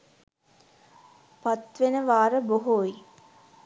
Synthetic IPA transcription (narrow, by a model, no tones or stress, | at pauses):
pat̪ʋenəʋaːɾəboɦoi